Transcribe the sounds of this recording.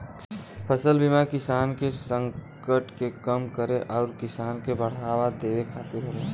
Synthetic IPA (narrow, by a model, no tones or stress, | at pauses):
pʰəsəlbimakɪsaːnkesə̃ŋkəʈkekəmkəɾeʔɔːɾkɪsaːnkebəɽ̤aːwad̪eːwekʰat̪iɾɦoɾe